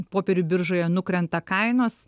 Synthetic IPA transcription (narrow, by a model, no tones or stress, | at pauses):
poːpʲɛɾʲʊbʲɪɾʒoːjɛnʊkɾʲɛnt̪ɐkɐɪnoːs